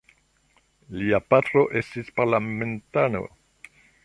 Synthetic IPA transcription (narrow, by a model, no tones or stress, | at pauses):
liapatɾo̞ʔe̞stispaɾlae̞ntano̞̰